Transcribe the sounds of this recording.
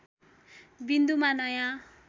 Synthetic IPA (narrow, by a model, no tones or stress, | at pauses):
bind̪umanajã